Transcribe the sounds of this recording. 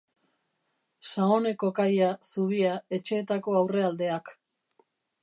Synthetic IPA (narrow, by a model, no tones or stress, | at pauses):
saone̞ko̞kajasuβ̞iae̞t͡ʃe̞ːt̪ako̞awre̞ald̪e̞ak